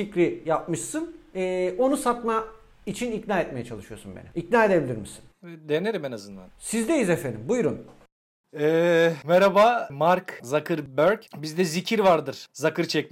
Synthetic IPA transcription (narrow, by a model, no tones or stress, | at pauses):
icɾijap̚mɯʃsɯnɛːo̞nusat̪ma | it͡ʃʰinicnaːɛt̪̚me̞jɛt͡ʃʰalˠɯʃɯjo̞sunbenḭicnaːe̞d̪e̞bilʲiɾmisi̥nd̪eneɾimenazɯnd̪a̰nsizd̪e̞jizefend̪ḭmbujɾun | ɛːmɛɾabamaɾkzakʰɯɾbøɾcbizd̪ɛzicʰiɾvaɾd̪ɯɾ̥zakɯɾt͡ʃʰɛcmi